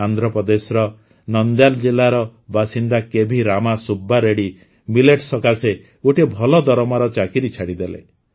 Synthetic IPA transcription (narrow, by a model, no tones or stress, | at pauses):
and̪ʱɾɔpɔd̪esɾɔ | nɔnd̪jald͡ʒilaɾɔbasind̪akebʱiɾamasubːaɾeɽi | mileʈsɔkase | oʈibʱɔlɔd̪ɔɾɔmaɾɔt͡ʃakiɾit͡ʃʰaɽid̪elḛ